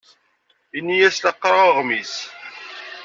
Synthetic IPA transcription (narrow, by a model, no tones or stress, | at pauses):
inːijæslɑqːɾˤaʁmis